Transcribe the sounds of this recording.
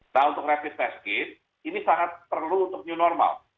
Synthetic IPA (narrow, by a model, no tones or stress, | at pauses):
naunt̪ʊkrafɪst̪ɛskɪt̪̚ | inisaŋat̪̚pərluːnt̪ʊk̚ɲunɔrma̰l